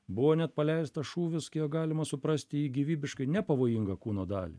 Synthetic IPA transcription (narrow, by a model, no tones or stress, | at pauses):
bʊʋoːnʲɛt̪̚pɐlʲɛɪst̪ɐʃuːʋʲɪskʲiɡɑːlʲɪmɐsʊpɾɐsʲt̪ʲɪiːɡʲiʋʲiːbʲɪʃkɐɪnʲɛpɐʋoːjiŋɡɐkuːnoːd̪ɑ̰ːlʲḭ